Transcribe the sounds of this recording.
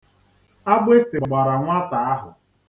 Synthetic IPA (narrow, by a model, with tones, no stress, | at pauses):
a˦bʊ˦e˦sɪ˨ɡ͡ba˨ɾa˨ŋʷa˦ta˨a˦ɦʊ̰˨